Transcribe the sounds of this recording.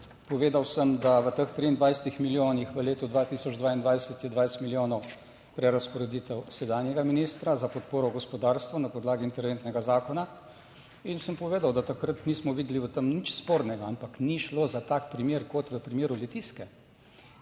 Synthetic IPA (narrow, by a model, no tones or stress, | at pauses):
pɔʋeːd̪awsəmd̪aʋət̪əxt̪ɾiːnd̪ʋajsɛt̪ixmiljoːnixʋəleːt̪ɔd̪ʋat̪isɔd͡ʒd̪ʋaːind̪ʋajsət̪jɛd̪ʋajst̪miljoːnɔw | pɾɛɾaspɔɾɛd̪it̪ɛwsɛd̪aːnjɛɡaminist̪ɾazapɔt̪poːɾɔɡɔspɔd̪aːɾst̪ʋɔnapɔd̪laːɡiːnt̪ɛɾʋeːnt̪nɛɡazaːkɔna | insəmpɔʋeːd̪awd̪at̪akɾat̪nismɔʋiːd̪liʋət̪əmnit͡ʃspoːɾnɛɡaampakniʃloːzat̪aːkpɾimeːɾkɔt̪ʋəpɾimeːɾulɛt̪iskɛ